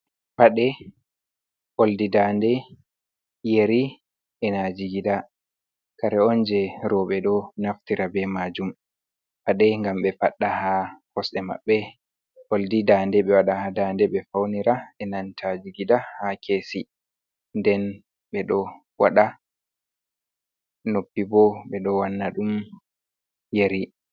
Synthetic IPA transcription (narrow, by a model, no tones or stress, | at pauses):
faɗɛ | ʔoldidandɛ | jeɾi | ɛnad͡ʒiɡida | kaɾɛɔnd͡ʒɛɾɔɓɛɗɔnaftiɾabɛmad͡ʒum | paɗɛŋɡamɓɛfaɗːahakɔsɗɛma̰ɓːɛ | wɔldidandɛɓɛwaɗahadandɛɓɛfawniɾaɛnantʰad͡ʒiɡidahakʰeːsi | ndɛn | ɓɛɗɔ | wa̰ɗa | nopːibɔɓɛɗɔwanːaɗum | jeɾi